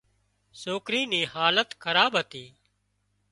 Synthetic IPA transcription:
soːkɾiːniːhaːlət̪kʰəɾaːbɦət̪iː

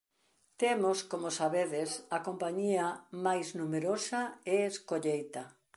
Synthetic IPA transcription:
t̪emoskomosaβeðɪsɐkompaɲiɐmajznumeɾosɐeeskoʎejt̪ɐ

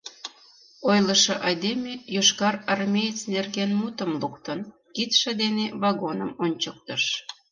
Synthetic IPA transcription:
ojləʃɤʔɑjd̪emʲejoʃkɑrɑrmʲejət͡snerɣenmut̪əmlukt̪ən | kit̪ʃĕd̪eneβɑɣonəmonʲt͡ɕək̚t̪əʃ

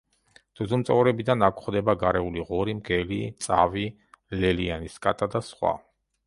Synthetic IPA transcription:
d̪̥ɔzumt̪sʼɔvɾɛbid̪anakʰχd̪ɛbaɡaɾɛuliʁɔɾimɡɛlit̪sʼavi | lɛlianiskʼat̪ʼad̪asχwa̰

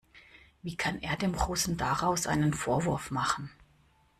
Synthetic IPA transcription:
viːkʰanʔeːɐdeːmɡʁoːsn̩daʁaʊsʔa̰ɪnənfoːɐvʊɐfmaχn̩

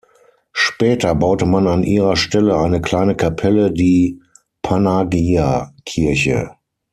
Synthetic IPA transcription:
ʃpɛːtɐbaʊtəmananʔiːʁɐʃtɛləaɪnəkl̥aɪnəkʰapʰɛlədiː | pʰanaɡiakʰɪɐçə̰

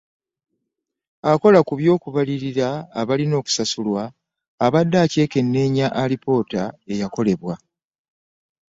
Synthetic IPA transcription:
ako̞lakuβjo̞ːkuβaliɾiɾaːβalino̞ːku̥sasulwaː | βadːaːce̞ːke̞nːe̞ːɲaʔalipo̞ːtae̞jako̞le̞βwa

